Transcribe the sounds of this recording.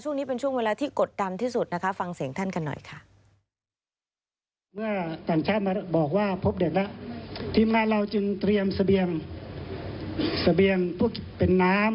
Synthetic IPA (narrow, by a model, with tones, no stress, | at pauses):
t͡ɕʰu˥˩ŋniː˦˥pe˧nt͡ɕʰu˥˩weː˧laː˧t̪ʰiː˥˩ko˨˩t̪̚da˧nt̪ʰiː˥˩su˨˩t̪̚na˦˥kʰa˦˥fa˧ŋsi˨˩˦əŋt̪ʰa˥˩nka˧nːɔ̰˨˩jkʰa˥˩ʔ | mɯ˥˩ɐt̪aː˨˩ŋt͡ɕʰaː˥˩ma˧bɔː˨˩k̚waː˧˥˩pʰo˦˥p̚de˨˩k̚la˦˥ʔt̪ʰiː˧mŋaː˧˨nɾa˧wt͡ɕɯ˧ŋt̪ɾi˧əmsa˧bi˧əŋ | sa˧bi˧əŋpʰu˧˥˩kpe˨nːaː˦˥m